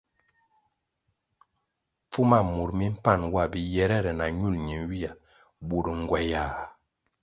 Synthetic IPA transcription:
p͡fu˦ma˦mu˨ɾmi˦m̩˦pa˦˨nwa˦˨bi˨jɛ˦ɾɛ˦˨ɾɛ˨na˨ɲu˦˨lɲi˨nwi˦a˨ | bu˨ɾə˨ŋ˨ɡwɛ˨ja˨

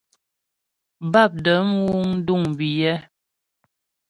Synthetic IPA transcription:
ba˦˨p̚də˨˦m̩˦wu˦ŋn̩˦du˦˨ŋbi˨jɛ˦

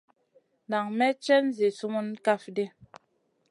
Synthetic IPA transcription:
na˨ŋmɛ˦t͡ʃɛ˦n˦zi˨su˦mu˦nka˦˨fde˦

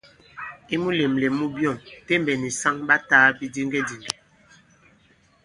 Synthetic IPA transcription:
i˦mu˦le˨mlɛ˨mu˦bjɔ˦˨mte˦mbɛ˨ni˨sa˦ŋba˦taː˦bi˦di˦ŋɡɛ˦di˨ŋɡɛ˨

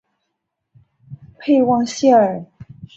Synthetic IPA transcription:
pʰe˥˧ɪwɑ˥˧ŋɕɛ˥˩ə˞˨˩

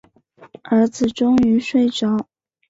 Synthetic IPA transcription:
ə˞˧˥d͡zɹ̩˨˩ʈ͡ʂʊ˥ŋy˧˥ʂwe˥˩ɪʈ͡ʂɑ˨˥˦ʊ

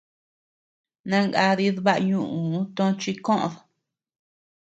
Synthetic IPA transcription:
nã˧ŋɡa˧ði˧ðβa˦ʔɲũ˦˧˨ʔũ˨˦t̪õ˦˧t͡ʃi˧kõ˦ʔõ̰˧ðo˨

